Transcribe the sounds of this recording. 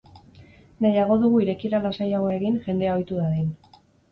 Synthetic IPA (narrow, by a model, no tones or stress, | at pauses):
nejaɣ̞o̞ðuɣuiɾe̞kiɾalasajaɣoe̞ɣinʝe̞nd̪e̞ao̞jt̪uðaðen